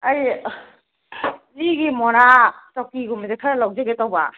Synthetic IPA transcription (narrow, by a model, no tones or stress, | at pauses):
aj | iɡimɔɾatɔkiɡumzekʰaɾalawzeɡetawba